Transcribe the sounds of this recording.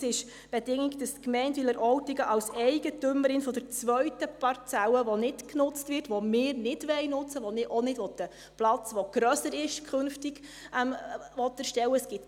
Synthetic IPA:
sɪʃ | b̥ɛdɪŋːiɡd̥əstkmɛɪntʋɪləɾʔɔwtɪɡəʔɑwsɛɪɡətʏməɾɪnfɔdəɾt͡sʋœɥtəpɑrt͡sæwəʋɔnɪtknʊt͡stvɪrtʋɔmɪːɾnɪd̥ʋɛjnʊt͡səʋɔnɪʔɔnɪdʋɔt̪ə | plɑt͡sʋɔɡ̥ɾœsəɾɪʃkʰχɵnftiɡʔɛmvɔtːɛɾʃtɛwːəsɡ̥ɪt

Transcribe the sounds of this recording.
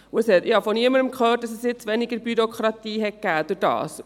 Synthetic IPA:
ʊəsɛtɪhɑfɔniəməɾəmkʰløːt̚dɑsɛsjɪt͡sʋɛnɪɡəɾbyɾokχɾɑtiːɦɛt̚ɡ̥æːd̥ʊɾd̥ɑ̰ːs

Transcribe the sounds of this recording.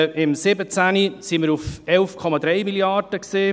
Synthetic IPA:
ɪmsɪbət͡sænisiməɾufɛlfkʰɔmad̪ɾɛɪmiljɑrd̥əksiː

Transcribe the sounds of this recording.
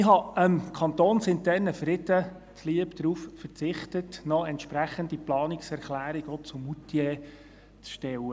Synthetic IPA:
ɪɦɑəmkʰɑnt̪oːnsɪntɛɾnəfɾɪdə | tʰliəpd̪̥ɾuːffəɾt͡sɪχtətnɔɛntʃpɾæχəndiplɑːnɪksɛɾklæːɾɪɡ̥ɔt͡sʊmːutjɛ | t͡sʃtɛwə

